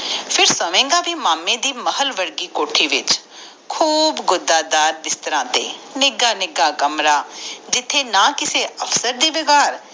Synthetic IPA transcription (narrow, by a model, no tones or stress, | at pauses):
pʰɪɾsəmẽːŋɡaːbʱiːmaːmːẽːd̪iːməhəlʋəɾɡiːkoːʈʰiːʋɪt͡ʃ | kʰuːbɡʊd̪aːd̪aːɾd̪ɪst̪əɾãːt̪ḛːnɪɡaːnɪɡaːkəmɾaːd͡ʒɪt̪ʰːeːnãːkɪseːəfsəɾd̪iːʋɪɡaːɾ